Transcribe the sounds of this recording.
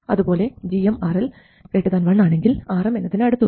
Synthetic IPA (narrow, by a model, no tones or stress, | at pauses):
ɐðupo̞ːle̞d͡ʑiɐmaːrɐl | keːʈːɨðaːnʋɐɳːaːɳe̞ŋɡilaːrɐmenːɐt̪ːinɐɽut̪ːu